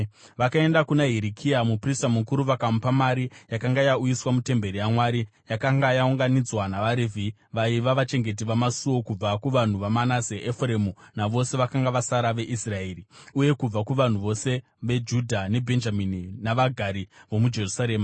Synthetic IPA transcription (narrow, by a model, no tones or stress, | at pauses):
ʋakae̞ndakunaɦiɾikʰiamupristamukuɾuʋakamupamaɾijakaŋɡajaujiswamute̞mbe̞ɾijamwaɾi | jakaŋɡajauŋɡanid͡zwanaʋaɾevʱi | ʋaiʋaʋat͡ʃe̞ŋɡe̞t̬iʋamasuwo̞kub͡vakuʋan̤uʋamanaseʔefre̞munaʋo̞se̞ʋakaŋɡaʋasaɾaʋe̞ʔisrae̞ːriuje̞kub͡vakuʋan̤uʋo̞se̞ | ʋe̞d͡ʒudʱane̞bʱe̞nd͡ʒamininaʋaɡʱaɾiʋo̞mud͡ʒe̞rusaɾe̞ːma